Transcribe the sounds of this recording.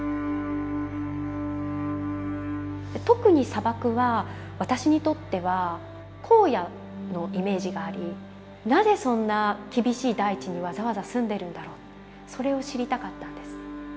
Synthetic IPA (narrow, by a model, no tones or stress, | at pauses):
d̪et̪o̞kɯ̟ɲ̟isabakɯ̟βaβat̪aɕiɲ̟it̪o̞t̪ːe̞βa | kʰo̞ːja | no̞ʔime̞ːʑiɡaːɾʲi | naze̞sõ̞nːakʲibʲiɕiːd̪ait͡ɕiɲ̟iβ̞azaβazasɨ̃nd̪e̞ɾɯ̟̃nd̪aɾo̞ːt̪ | so̞ɾe̞o̞ɕiɾʲit̪akat̪ːãnd̪e̞sɨ̥